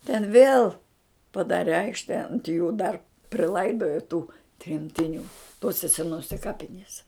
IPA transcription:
tʲɛn ʋʲeːlˠ pɐˈdɑːrʲɛ ˈɐɪkʃʲtʲɛ ɐnt juː dɐr pʲrʲɪˈlˠɐɪdoːjoː tuː tʲrʲɛmʲtʲɪˈnʲuː ˈtoːsʲɛ sʲɛˈnoːsʲɛ ˈkɑːpʲɪnʲiɛsʲɛ

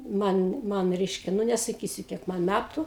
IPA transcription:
ˈmɐn ˈmɐn ˈrʲɛɪʃʲkʲɛ ˈnʊ nʲɛsɐˈkʲiːsʲʊ ˈkʲiɛk ˈmɐn ˈmʲætʊ

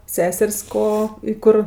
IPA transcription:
ˈsʲæːsʲɛrʲsʲ ˈkoː ɪ ˈkʊr

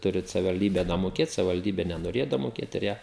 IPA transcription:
ˈtʊrʲɪt sɐʋʲɪʋɐlʲˈdʲiːbʲɛ dɐmoːˈkʲeːt sɐʋʲɪʋɐlʲˈdʲiːbʲɛ nʲɛnoːˈrʲeːjɛ dɐmoːˈkʲeːt ɪr ˈjiɛ

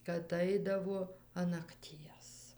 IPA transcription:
kɐt ˈɐɪdɐʋoː ɐn nɐkˈtʲiɛs

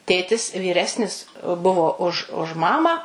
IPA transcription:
ˈtʲeːtʲɪs ʋʲiːˈrʲæːsʲnʲɪs ˈbʊʋoː ʊʃ ʊʃ ˈmɑːmɑː

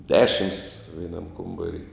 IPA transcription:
ˈdʲæːʃʲɪms ʋʲɛɪˈnɐm ˈkoːmbɐrʲɪ

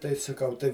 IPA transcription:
tɐɪ sɐˈkɐʊ ˈtɐɪ

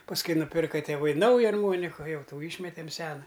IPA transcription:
pɐsˈkʊɪ nʊˈpʲɪrkɐ tʲeːˈʋɐɪ ˈnɐʊjɛ ɐrˈmoːnʲɪkʊ ˈjɛʊ ˈtuː ˈiːʃʲmʲɛtʲɛm ˈsʲæːnɐ

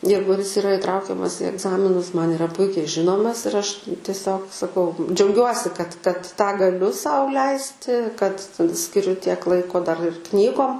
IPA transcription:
ˈjɛɪɡʊ jɪs ɪˈrɐ ɪˈtrɐʊkʲɛmɐs iː ɛɡˈzɑːmʲɪnʊs ˈmɐn ɪˈrɐ ˈpʊɪkʲɛɪ ˈʒʲɪnoːmɐs ɪr ˈɐʃ tʲiɛˈsʲoːk sɐˈkɐʊ d͡ʒʲɛʊˈɡʲuɔsʲɪ kɐt kɐt tɑː ɡɐˈlʲʊ ˈsɐʊ ˈlʲɛɪsʲtʲɪ kɐt sʲkʲɪˈrʲʊ tʲiɛk ˈlˠɐɪkoː dɐr ɪr ˈknʲiːɡoːm

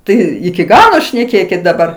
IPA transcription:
ˈtɐɪ ɪkʲɪ ˈɡɑːlˠoː ʃʲnʲɛˈkʲeːkʲɪt dɐˈbɐr

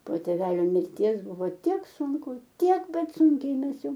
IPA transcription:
poː tʲeːˈʋʲæːlʲoː mʲɪrʲˈtʲiɛs ˈbʊʋoː ˈtʲiɛk sʊŋˈkʊ ˈtʲiɛk ˈbʲɛt ˈsʊŋʲkʲɛɪ ˈmʲɛs ˈjɛʊ

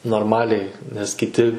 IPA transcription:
noːrˈmɑːlʲɛɪ nʲɛs kʲɪˈtʲɪ

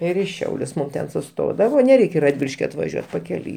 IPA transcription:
ˈɪr ɪ ˈʃʲɛʊlʲʊs ˈmʊm tʲɛn sʊˈstoːdɐʋoː nʲɛˈrʲɛɪkʲ ɪ rɐdʲˈʋʲɪlʲɪʃʲkʲɪ ɐtʋɐˈʒʲuɔt pɐkʲɛˈlʲʊɪ

